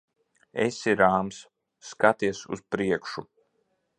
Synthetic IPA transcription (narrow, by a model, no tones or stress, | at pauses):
ḛsiɾaːms | kat̪iɛsṵspɾiɛkʃu